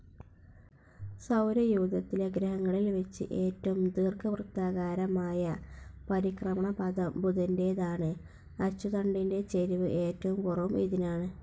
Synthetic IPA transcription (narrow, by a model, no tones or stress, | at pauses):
sɐwɾɐjuːd̪ɐt̪ːileɡɾɐɦɐŋːɐɭilʋɐt͡ɕːɨ̰ʔe̞ːtːɐʋumd̪iːrkɨprɨkt̪ːaːɣaːɾɐmaːjɐpɐɾikrɐmɐɳɐpɐd̪ɐmbuðɐnde̞ːðaːɳɨ | ɐt͡ɕːuðɐɳɖinde̞t͡ɕeɾiʋɨʔe̞ːtːɐʋumkurɐʋumḭðinaːɳɨ